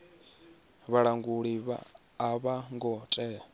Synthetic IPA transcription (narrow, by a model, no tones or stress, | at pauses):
βaɺaŋɡuɺiβa̰ː | βaŋɡɔtʼɛ